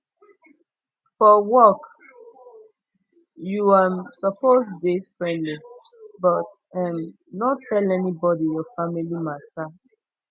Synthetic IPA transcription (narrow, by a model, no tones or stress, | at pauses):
fɔwɔk | juamsɔpozdesfɹɛ̃ndli | bʌt | ɛm | nɔtʰːɛlɛnibɔdijɔfamilimasta